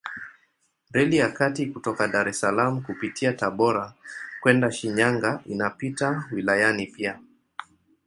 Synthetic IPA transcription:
ɾɛlijakatikutɔkaɗaɾɛsalamukupitʰiataɓɔɾakwɛndaʃiɲaŋɡaḭnapitawilajanipia

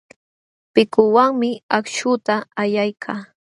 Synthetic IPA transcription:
pɪkʊwaŋmɪakʃʊt̪aːjajkʰaː

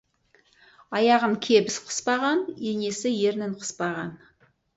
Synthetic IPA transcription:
ɑjɑʁəɴkʲʰebɪsqʰə̥spɑʁɑnene̞sɪje̞ɾnɪɴqʰə̥spɑʁɑn

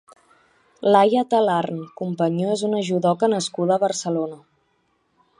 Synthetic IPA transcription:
lajət̪əlarnkumpəɲoezunəʒuðɔkənəskuðəːβərsəlonə

